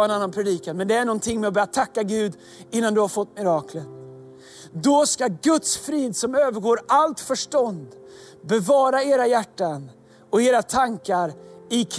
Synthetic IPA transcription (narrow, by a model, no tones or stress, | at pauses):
ɛnanːanpʰɾɛd̪iːkanmɛnd̪ɛæɳɔnt̪ʰɪŋːmɛɔbœːɾjat̪ʰakːaɡʉ̟ːd̪ | ɪnːand̪ɵhaɾfɔt̪ːmɪɾɑːklə | d̪ɔskaɡɵt̪sfɾiːd̪sɔmøːvəɾɡoːɾalt̪fœʂʈɔnd̪bɛvɑːɾaeːɾajæʈːan | ɔeːɾat̪ʰaŋkaɾɪkʰ